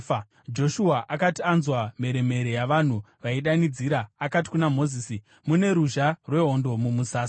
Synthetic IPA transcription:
d͡ʒo̞ʃuaʔakatianzwame̞ɾe̞me̞ɾejaʋan̤u | ʋaiɗanid͡ziːɾaːkati̥kunamo̞ziːsi | mune̞ɾuʒarwe̞ɦo̞ndo̞mumusaːs

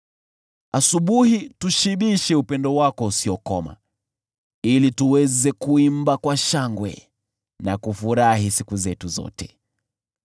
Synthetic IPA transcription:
asuɓuhituʃiɓiʃɛupɛndɔwakɔusiɔkɔma̰ | ilituwɛzɛkuimbakwaʃaŋɡwɛ̰ | nakufuɾahisikuzɛtuzɔ̰tɛ̥

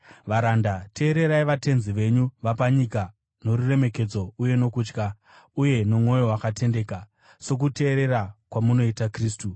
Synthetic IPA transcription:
ʋaɾandatʰe̞ːɾe̞ɾaiʋate̞nziʋe̞ɲuʋapaɲika | no̞ɾure̞me̞ke̞d͡zo̞uje̞no̞kut͡ʃka | uje̞nomŋo̞jo̞wakate̞nde̞ːka | so̞k̬ute̞ːɾe̞ɾakwamuno̞itakriːstu

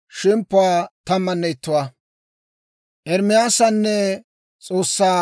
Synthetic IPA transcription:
ʃɪmpːʊwaːt̪ɐmːɐnːɛɪt̪ːʊwaː | ʔɛɾmɪjaːsɐnːɛ | t͡sʼo̞ːsːaː

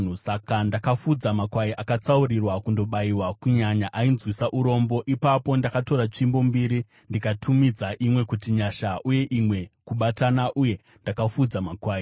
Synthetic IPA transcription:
sakandakafud͡zamakwaiʔakat͡saurirwakundo̞ɓaiwakuɲaɲaʔainzwisaʔuɾo̞mbo̞ʔipapo̞ndakato̞ɾat͡ʃimbo̞mbiɾi | ndikatʰumid͡zaʔimwe̞kutiɲaʃaʔuje̞ʔimwe̞kuɓatanaʔuje̞ | ndakafud͡zamakwaːi

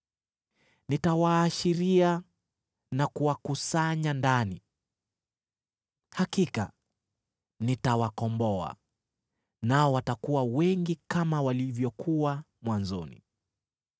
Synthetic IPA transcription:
nitawaːʃiɾia | nakuwakusaɲandani | hakika̰ | nitawakɔmbɔa̰ | naɔwatakuwawɛŋɡikamawalivjɔkʰuwa | mwanzɔnḭ

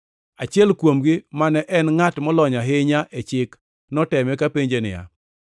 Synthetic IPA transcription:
at͡ʃɪɛlkwomɡɪmanɛʔɛnŋatmɔlɔɲaɦɪɲaʔet͡ʃɪk | nɔtɛmɛkapeɲd͡ʒenɪ̰ja̰

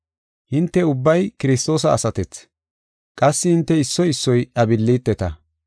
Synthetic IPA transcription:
hɪnt̪ːɛʊbːɐjkɪɾɪst̪o̞ːsɐːsɐt̪ɛt͡s | kʼɐsːɪhɪnt̪ːɛɪsːɔjɪsːɔjɐbɪlːit̪ːɛt̪ɐ

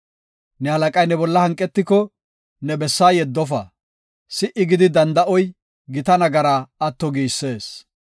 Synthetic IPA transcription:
nɛhɐlɐkʼɐjnɛbɔlːɐhɐŋkʼːɛt̪ːɪkɔ | nɛbɛsːaːjɛd̪ːɔfɐ̰ | sɪʔɪɡɪd̪ɪd̪ɐnd̪ɐʔɔj | ɡɪt̪ɐnɐɡɐɾaːɐt̪ːɔɡiːsːe̞ːs

